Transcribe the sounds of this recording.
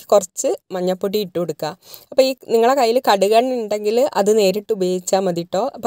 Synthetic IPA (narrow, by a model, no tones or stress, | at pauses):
ɨ̥kurɐt͡ɕːɨmɐɲːɐpːoʈːijiʈːɨoɽukːaːɐpːoːiːniŋːɐɭekɐjːilkɐɽuɣɐɳiɳɖe̞ŋɡilʔɐðɨne̞ːɾiʈːubejit͡ɕːaːmːɐðiʈːo̞ːʔɐpː